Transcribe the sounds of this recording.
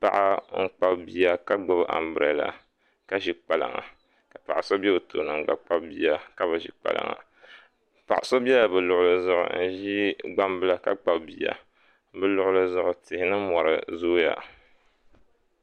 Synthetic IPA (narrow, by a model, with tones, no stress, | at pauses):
pa̰˨ʔa˦ŋ̩˦k͡pa˦bbi˦ja˦ka˦ɡ͡bɨ˦bʔa̰˨mbɨ˨ɾɛ̰˨la̰˨ | ka˦ʒi˨k͡pa˨la̰˨ŋa̰˨ | ka˨pa˨ʔa˨so˦bɛ˦o˨to̰˨nɨ˨ŋ̩˦˨ɡ͡ba˨k͡pa˦bbi˦a˨ka˦bɨ˨ʒḭ˨k͡pa̰˨la̰˨ŋa̰˨ | pa˨ʔa˨so˦bi˦ɛ˦a˨bɨ˨lʊ˨ʔʊ˦lɨ˦zʊ˦˨ʔʊ̰˨n̩˦ʒi˦ɡ͡ba˦mbɨ˦la˨ka˦k͡pa˨bbi˨ja̰˨ | bɨ˦lʊ˦ʔʊ˦lɨ˦zʊ˦ʔʊ˨tɪ˨hɪ˦nɨ˦mɔ˨ɾɨ̰˨zoː˦ja̰˨